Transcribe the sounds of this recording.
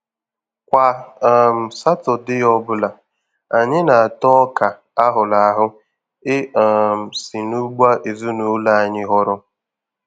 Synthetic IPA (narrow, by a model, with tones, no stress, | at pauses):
kʷa˨m̩˨sa˦tʊ˨dɪ˦jɔ˦bʊ˦la˨ | a˨ɲɪ˦na˨a˨tɔ˦ka˨ | a˦ɦʊ˨la˨a˦ɦʊ˦ | ɪ˦a˨m̩˨si˨nu˦ɡ͡ba˦ʔe˨zu˦nu˨˦la˦a˨ɲɪ˦ɦɔ˦ɾʊ˦